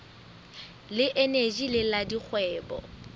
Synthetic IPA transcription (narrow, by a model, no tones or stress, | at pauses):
lɪʔened͡ʒilɪladik͡xʰwɛːbɔ̰